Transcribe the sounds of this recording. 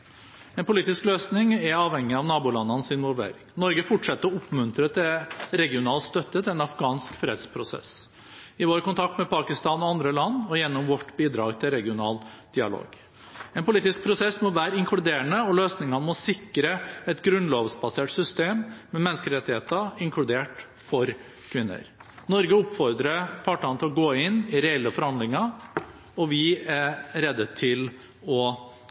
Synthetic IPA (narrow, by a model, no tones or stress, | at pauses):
ɛnpʊliːt̪ɪskløːsnɪŋɛɑːʋhɛŋːɪɑʋnɑːbʊlɑnːɑnsɪnʋɔlʋḛːɾɪŋnɔɾɡəfʊʈʂɛt̪ːəɾɔʊpːmʉnt̪ɾət̪ʰɛɾɛɡɪʊnɑːlst̪œt̪ːət̪ʰɪlɛnɑfɡɑːnskfɾḛːd̪spʰɾʊsɛ̰s | ɪʋoːɾkʊnt̪ʰɑk̚t̪mɛpɑkɪst̪ɑːnɔɑnd̪ɾəlɑnːɔjɛnːɔmʋɔʈːbiːd̪ɾɑːɡt̪ʰɪlɾɛɡɪʊnɑ̰ːld̪̥ɪɑ̰lo̰ːɡ | ɛnpʊliːt̪ɪsk̚pʰɾʊsɛsːmɔʋæːɾəɪŋkʰlʉd̪eːɾəɳəɔløːsnɪŋɑnəmɔsɪkːɾəɛt̪ɡɾʉnloːʋsbɑseːʈsʏst̪eːmːɛmɛnːəskəɾɛt̪ːɪheːt̪ɑɪŋkʰlʉd̪eːʈ | fɔɾ | kʰʋɪnːə̰ɾnɔɾɡəʊpːfɔɾd̪ɾəpʰɑːʈːɑnət̪ʰɪlɔɡoːɪnːɪɾɛɛlːəfɔɾhɑnd̪lɪŋɑ | ɔʋɪæɾɾɛd̪ːət̪ʰɪl | ɔ